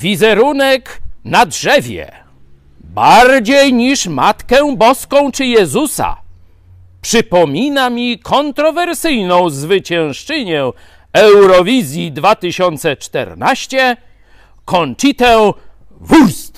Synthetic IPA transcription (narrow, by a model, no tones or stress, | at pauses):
vʲizɛɾunɛknadʐɛvʲjɛ̰ | baɾd͡ʑejɲiʂmat̪kɛ̃bɔskɔ̃w̃t͡ʂɘjɛzusa̰ | pʂɘpɔmʲinamʲikʰɔnt̪ɾɔvɛɾsɘjnɔ̃w̃zvɘt͡ɕɛ̃w̃ʂt͡ʂɛɲɛ | ɛwɾɔvʲizʲjid̪vat̪ɘɕɔnt̪sɛt͡ʂt̪ɛ̰ɾnaɕt͡ɕɛ | kɔnt͡ʂit̪ɛw | vuɾst̪